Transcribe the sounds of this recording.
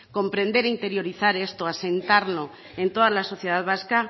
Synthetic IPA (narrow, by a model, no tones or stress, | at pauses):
ko̞mpɾe̞nd̪e̞ɾint̪e̞ɾjo̞ɾiθaɾe̞st̪oase̞nt̪aɾno | e̞nt̪o̞ð̞alaso̞θje̞ð̞aðβ̞aska